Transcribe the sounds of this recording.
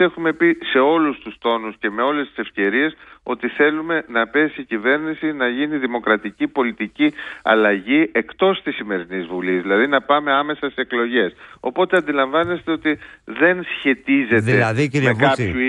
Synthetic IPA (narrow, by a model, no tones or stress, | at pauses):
e̞xume̞pise̞o̞lust̪ust̪o̞nusce̞me̞o̞le̞st̪i̥se̞fce̞ɾie̞so̞t̪iθe̞lume̞nɐpe̞sicive̞ɾnisinɐʝiniðimo̞kɾɐt̪icipo̞lit̪iciɐ̰lɐʝie̞kt̪o̞st̪isime̞ɾinizvulizðilɐðinɐpɐme̞ɐme̞sɐseeklo̞ʝe̞so̞̰po̞t̪e̞ɐnd̪ilɐɱvɐne̞st̪e̞o̞t̪iðe̞nsçe̞t̪ize̞eðiimekɐpu